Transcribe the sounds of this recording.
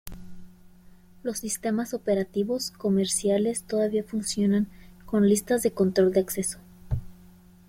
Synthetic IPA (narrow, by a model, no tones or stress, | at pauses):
lo̞sːist̪e̞maso̞pe̞ɾat̪iβo̞sko̞me̞ɾsjale̞st̪o̞ðaβiafunsjo̞naŋko̞nlist̪azðeko̞nt̪ɾo̞ld̪eakse̞so̞̥